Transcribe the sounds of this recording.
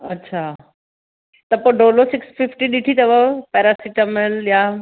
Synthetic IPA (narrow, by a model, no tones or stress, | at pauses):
ɐtːɕʰaː | t̪ɐpoːɖoːlosɪksfʰɪfʈiɗiʈʰit̪ɐʋəpɛːɾasiʈəmelja